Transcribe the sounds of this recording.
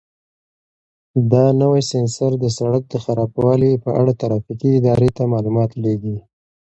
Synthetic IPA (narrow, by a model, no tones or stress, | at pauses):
d̪ɑnəwajsɪnsaɾd̪əsaɽak̚d̪əxaɾɑbwɑlipəʔaɽat̪aɾɑfikiɪd̪ɑɾet̪amɑlumɑt̪leɡi